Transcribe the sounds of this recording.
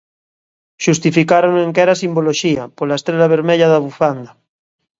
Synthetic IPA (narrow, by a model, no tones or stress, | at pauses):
ʃust̪ifikaɾoneŋkɛɾasimboloʃiapolaest̪ɾeʎaβ̞eɾmeʎaðaβufand̪a